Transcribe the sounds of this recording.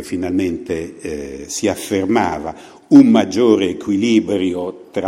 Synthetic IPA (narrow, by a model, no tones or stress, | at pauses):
finalment̪e | siafːerma̰ːva̰ | umːad͡ʒːoːɾeːkwiliːbɾjot̪ɾa